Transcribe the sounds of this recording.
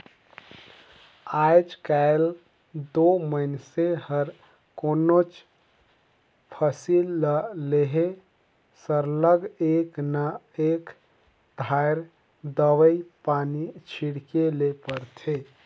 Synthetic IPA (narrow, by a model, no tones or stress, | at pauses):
ajd͡ʒkael | d̪oməɪnsehəɾ | konot͡ʃ | pʰəsilːəleɦe | səɾləɡeknə | ek | d̪ʱajɾ | d̪əwəipanit͡ʃʰiɽkelepəɾt̪ʰe